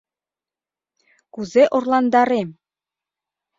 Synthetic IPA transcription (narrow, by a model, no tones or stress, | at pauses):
kuzeʔorlˠɑnd̪ɑɾem